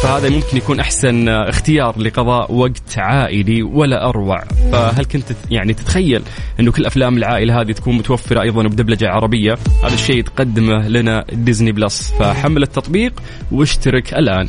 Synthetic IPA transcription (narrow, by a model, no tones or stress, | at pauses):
fahaːðamʊmkɪnjakuːnʔaħsanɪxt̪ɪjɑːɾˤlɪqɑðˤɑːʔwaɡt̪ʕaːʔɪliwalːaʔɑɾˤwa̰ʕfaɦalkʊnt̪jaʕnit̪ɪ̥t̪xajːalʔɪnːukɪlːʔaflaːmɪlʕaːʔɪlaɦaːd̪it̪ḁkuːnmʊt̪awafːɪɾɑʔɑjðˤɑnwbd̪ablad͡ʒaʕɑɾˤɑbɪjːaha̰ːðaʃːeːt̪qɑd̪ːɪmalanad̪ɪzniblɑsfaħamːalɪt̪ːɑt̪ˤbiːq | wɪʃt̪aɾɪkʔalʔaːn